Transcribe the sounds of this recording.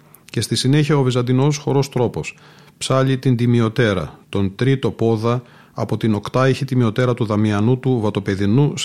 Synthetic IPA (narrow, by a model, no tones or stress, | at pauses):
ce̞st̪isine̞çiɐovizɐnd̪ino̞sxo̞ɾo̞st̪ɾo̞po̞s | psɐʎit̪ind̪imio̞t̪e̞ɾɐ̰t̪o̞nt̪ɾit̪o̞po̞ðɐː | po̞t̪ino̞kt̪ɐiçet̪imio̞t̪e̞ɾɐt̪uðɐmiɐnut̪uvɐt̪o̞pe̞ðinus